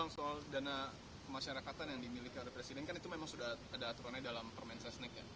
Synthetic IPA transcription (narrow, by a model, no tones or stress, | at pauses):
aŋsoaldana | kəmaʃaɾakat̪anjaŋdimilikiolɛhpɾesidɛnkanit̪umemaŋsudahadaːt̪uɾanɲadalampərmɛnsasnɛkja̰